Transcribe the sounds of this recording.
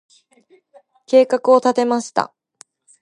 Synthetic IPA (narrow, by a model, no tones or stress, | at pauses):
ke̞ːkakɯ̟o̞t̪at̪e̞maɕi̥t̪a̰